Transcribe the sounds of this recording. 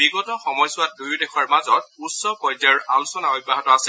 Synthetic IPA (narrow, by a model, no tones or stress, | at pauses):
biɡɔtɔxɔmɔjsʊwat̚dujdɛxʰaɹmazɔt̚utsɔpɔjdaɹalusɔnaɔjbaɦatɔasɛ